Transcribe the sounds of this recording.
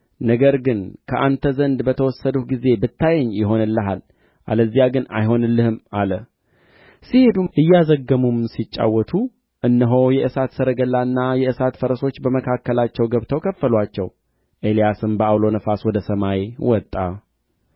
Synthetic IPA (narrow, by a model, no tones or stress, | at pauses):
nəɡəɾɡɨnkʰəʔant̪ʰəzənd̪bət̪ʰəwɔsːəd̪utɡize̞bɨt̪ʰːajɛɲːjɪɦo̞nɨlːəɦal | ʔa̰ləzːijaɡɨna̰jɦo̞nɨlːɨhɨmalə | sihe̞d̪uʔɨjːɛazəɡːəmumsit͡ʃʼːa̰wːɔt̪ʰu | ʔɨnːəɦo̞jɛʔɨsat̪səɾəɡəlːanːajɛɨsat̪fəɾəso̞t͡ʃːbəməkʰakːəlat͡ʃːɛwɡəβt̪ʰəwkʰəfːəlwat͡ʃːɛ̰w | ʔe̞lijasɨmbəawlo̞nəfaswɔd̪əsəmajwɔt̪ʼːa